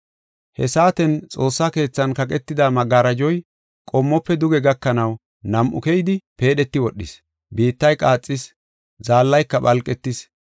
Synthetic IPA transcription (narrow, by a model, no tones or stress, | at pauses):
hɛ̰saːt̪ɛnt͡sʼo̞ːsːake̞ːt͡sːɐnkɐk̬ʼɛt̪ːɪd̪amɐɡaːɾɐd͡ʒɔj | kʼɔmːɔpːɛd̪ʊɡɛɡɐkːɐnɐw | nɐmʔʊ̰kɛjɪd̪ɪpe̞ːɗɛt̪ːɪwɔɗːɪ̰s | biːt̪ːɐjkʼaːt͡sʼːɪs | zaːlːɐjkːɐbɐlkʼɛt̪ːɪs